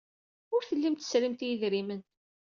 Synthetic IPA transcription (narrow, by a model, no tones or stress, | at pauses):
ʊɾθəlːimt̪ə̥sɾimt̪jiðɾimən